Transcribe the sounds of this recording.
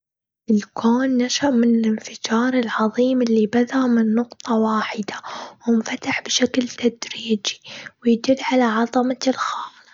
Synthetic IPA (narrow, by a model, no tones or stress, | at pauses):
ʔɪlkʰoːnːaʃaʔmɪnɪlɪnfɪd͡ʒɑːɾˤɪlʕɑðˤiːmɪlːibaðamɪnːʊqt̪ˤɑwaːħɪd̪awɪnfat̪aħbɪʃaklt̪ad̪ɾiːd͡ʒi̥wɪjd̪ɪlːʕalaʕɑðˤɑmalxaːl